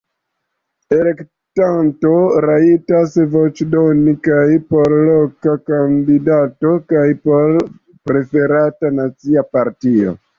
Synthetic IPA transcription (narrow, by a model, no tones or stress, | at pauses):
e̞lek | tanto̞ɾaitasvo̞t͡ʃdo̞nikajpo̞ɾlo̞kakandidato̞kajpo̞ɾ | pɾe̞fe̞ɾatanat͡siapaɾtio̰